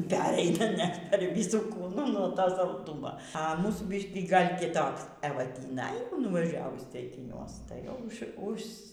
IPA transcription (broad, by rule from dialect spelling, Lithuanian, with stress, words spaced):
ˈpʲæːrʲɛɪnɐ nʲɛt pʲɛr ʋʲɪˈsuː ˈkuːnuː noː ˈtoː sɐlˠˈduːmoː ɐ ˈmuːsuː ˈbʲɪʃʲkʲiː ɡɐlˠ kʲɪˈtoːks ɛˈʋɐ tʲiːˈnɐɪ nʊʋɐˈʒʲæːʋʊs t͡sʲɛɪkʲɪˈnʲuɔs tɐɪ jɛʊ ˈʊʃ ʊʃs